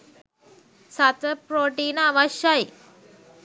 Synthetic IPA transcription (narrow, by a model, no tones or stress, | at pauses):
sɐt̪əpɾoːʈiːnaʋɐɕjaj